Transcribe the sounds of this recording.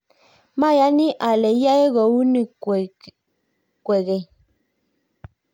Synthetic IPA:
ma˦˨ja˨˦ni˦ʔa˨lɛ˨ja˦je˦ɣɔ˨wu˦ni˨ | kwɛ˨ɣɛ˨

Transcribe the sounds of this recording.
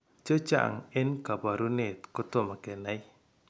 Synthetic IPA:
t͡ʃo˦t͡ʃa̰˨ŋɛ˦nka˨ba˨ɾu˦ne˨tko˦to˦˨ma˨kɛ˨na˦i˦

